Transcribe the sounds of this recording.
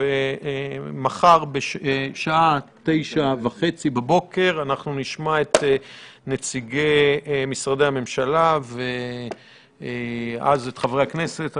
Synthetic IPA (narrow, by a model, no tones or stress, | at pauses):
e | maχaʁbeʃeʃaate̞jʃavaχet͡sibabo̞ke̞ʁanaχnuniʃmaet̪net͡siɡejmisʁadehame̞mʃalave | a̰zet̪χavʁeakne̞se̞t